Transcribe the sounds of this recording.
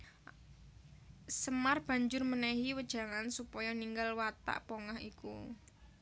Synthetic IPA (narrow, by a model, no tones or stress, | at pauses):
səmarb̥ä̤ɲd͡ʒʊrmənɛɦiwəd̥ʒ̥ä̤ŋansupɔjɔniŋɡalwat̪a̰ʔpoŋahikṵ